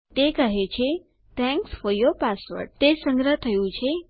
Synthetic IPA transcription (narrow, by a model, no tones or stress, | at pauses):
t̪ekəɦet͡ɕʰe | t̪ʰɛ̃ŋksfɔɾjɔpasʋə̰ɖ̚t̪esə̃ŋɡɾət̪ʰəjũt͡ɕʰe